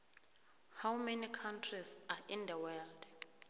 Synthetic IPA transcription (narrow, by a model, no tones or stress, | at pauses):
hawmɛnikʰantʰrisaʔĩndəwɛld